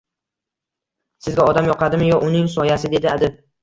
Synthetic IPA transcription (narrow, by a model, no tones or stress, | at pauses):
sɪzɡʲaɒd̪amjɒqʰɑd̪ɪmɪjɒʔʊnɪŋsɒjasɪd̪e̞d̪ɪad̪ɪb